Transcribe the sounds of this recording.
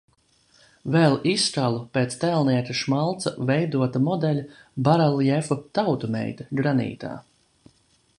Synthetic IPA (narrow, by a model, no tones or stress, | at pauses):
vɛlˠisalˠupeːt̪st̪ɛlˠniɛt̪ɐʃmalˠt̪sɐvɛjd̪uɔt̪ɐmɔd̪ɛlʲabaɾalˠjɛfut̪awt̪umɛ̰jt̪ɐɡɾanḭːt̪a̰ː